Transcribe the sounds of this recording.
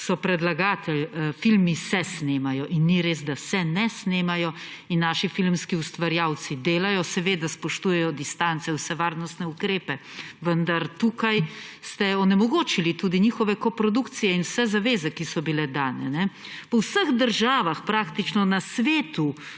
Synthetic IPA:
sɔpɾɛd̪laɡaːt̪ɛlfilmisɛsneːmajɔʔinːiɾeːzd̪asɛnɛsneːmajɔinːaːʃifilmskiust̪ʋaɾjawt̪sid̪eːlajɔsɛʋeːd̪aspɔʃt̪uːjɛjɔd̪ist̪ant̪sɛwsɛʋaːɾnɔst̪nɛukɾeːpɛʋənd̪aɾt̪uːkajst̪ɛɔnɛmɔɡoːt͡ʃilit̪uːd̪iɲiːxɔʋɛkɔpɾɔd̪ukt̪sijɛinwsɛzaʋeːzɛkisɔbilɛd̪aːnɛ̰nɛ | pɔwsəɣd̪əɾʒaːʋaxpɾaːkt̪it͡ʃnɔnasʋeːt̪u

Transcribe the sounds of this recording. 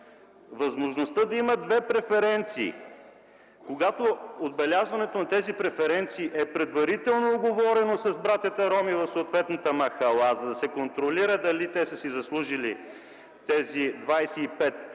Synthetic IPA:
vɐzmoʒnost̪əd̪ɐiməd̪vɛpɾɛfɛɾɛnt̪sḭː | koɡat̪ood̪̚bɛlʲazvɐnɛt̪onɐt̪ɛzipɾɛfɛɾɛnt̪siːʔɛpɾɛd̪vɐɾit̪ɛlˠnoːɡovɔɾɛnosɐzbɾat̪ʲjət̪ɐɾɔmivɐfsoːt̪vɛt̪nət̪əmɐxɐlˠazɐd̪ɐsɛkont̪ɾoliɾəd̪ɐlit̪ɛsəsizɐslˠuʒili | t̪ɛzid̪vajsɛipɛt̪

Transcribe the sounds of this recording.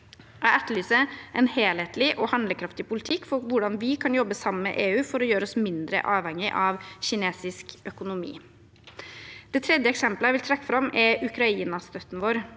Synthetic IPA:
ææʈ̪ːəlyːsəɛnheːleːt̪lɪʔɔhɑnd̪ləkʰɾɑft̪ɪpʰʊlɪt̪ʰɪkːfɔɾʋʊɖɑnʋɪkʰɑnjɔbːəsɑməə̰ʔeːʉːfɔɾɔjøːɾəɔsmɪnd̪ɾə̰ʔɑːʋhɛŋːɪʔɑʋɕɪneːsɪskœkʊnʊmḭː | d̪̥ɛt̪ʰɾɛd̪jəɛksɛmpləæʋɪlt̪ʰɾɛkːəfɾɑmːʔɛɾʉkɾɑiːnɑst̪œt̪ːn̩ʋoːɾ

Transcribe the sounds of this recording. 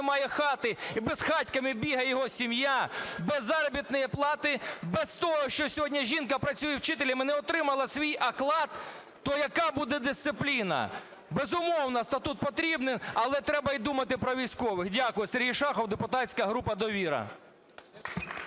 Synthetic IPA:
mɑjɛxɑt̪ɪibɛzxɑtʲkɐmɪbʲiɦɐjɔɦɔsʲimjabɛzːɑɾɔbʲit̪nɔjɛplˠɑt̪ɪbɛst̪ɔɦɔʃt͡ʃɔsʲɔɦɔdʲnʲɐʒʲinkɐpɾɐt͡sʲujɛwt͡ʃɪt̪elʲimɛnɛɔt̪ɾɪmɐlˠɐsʲʋʲijʔɐklˠɑt̪ː | ɔjɐkɑbud̪ɛd̪ɪst̪sɪplʲinɐ̰ | bezʊmɔwnɐst̪ɐt̪ut̪̚pɔt̪ɾʲibnɪnɐlˠɛt̪ɾɛbɐid̪umɐt̪ɪpɾɔʋʲijsʲkɔʋɪxdʲakʊjɛserʲɦijʃɑxɔwd̪epʊt̪ɑsʲkɐɦɾupɐd̪ɔʋʲiɾɐ̰

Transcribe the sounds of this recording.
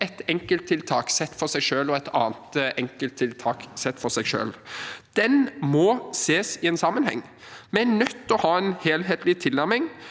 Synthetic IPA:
ɛt̪ɛŋkəlt̪ʰːɪlt̪ʰɑːksɛt̪ːfɔɾsæɪʂøːlɔɛt̪ʰɑ̰ːnt̪ɛŋkəlt̪ʰɪlt̪ʰɑːksɛt̪ːfɔɾsæɪʃø̰ːld̪̥ɛnmɔseːsɪɛːnsɑmːənhɛ̰ŋː | mɛænœt̪ːɔhɑːɛnheːlɦeːt̪lɪt̪ʰɪlːæɾmɪŋ

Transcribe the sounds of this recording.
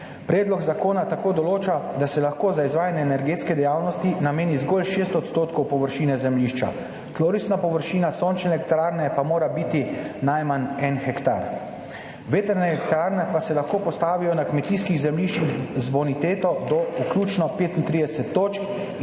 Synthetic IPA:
pɾɛːd̪lɔɡzakoːnat̪akoːd̪ɔloːt͡ʃad̪asɛlaxkoːzaizʋaːjanɛːnɛɾɡeːt̪skɛd̪ɛjaːwnɔst̪inameːnizɡolʃeːst̪ɔt̪st̪oːt̪kɔwpɔʋəɾʃiːnɛzɛmliːʃt͡ʃa̰ | t̪loːɾisnapɔʋəɾʃiːnasoːnt͡ʃnɛlɛkt̪ɾaɾnɛpamoːɾabiːt̪inajmanɛnxɛkt̪a̰ɾ | ʋeːt̪ɛɾnɛɛkt̪ɾaːɾnɛpasɛlaxkoːpɔst̪aːʋijɔnakmɛt̪iskiɣzɛmliːʃt͡ʃixzbɔnit̪eːt̪ɔd̪ɔukljuːt͡ʃnɔpeːt̪int̪ɾiːd̪ɛsɛt̪ːoːt͡ʃk

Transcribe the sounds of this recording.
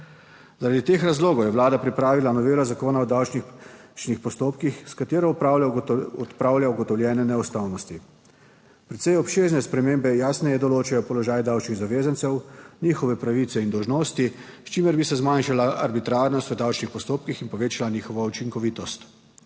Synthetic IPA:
zaɾad̪it̪eːxɾazloːɡɔwjɛʋlaːd̪apɾipɾaːʋilanɔʋeːlazakoːnaɔd̪awt͡ʃnit͡ʃnixpɔst̪oːpkixskat̪eːɾɔupawɔt̪pɾaːwljauɡɔt̪ɔwljɛːnɛnɛɔst̪awnɔst̪i | pɾɛt̪sɛjɔpʃeːznɛspɾɛmeːmbɛjaːsnɛjɛd̪ɔloːt͡ʃajɔpɔlɔʒaːjd̪awt͡ʃniɣzaʋeːzansɛwniːxɔʋɛpɾaʋit̪sɛind̪ɔwʒnoːst̪i | st͡ʃimɛɾbisɛzmanʃalaʔaɾbit̪ɾaːɾnɔst̪ʋəd̪awt͡ʃnixpɔst̪oːpkixinpɔʋeːt͡ʃalaniːxɔʋɔut͡ʃiŋkɔʋiːt̪ɔst̪

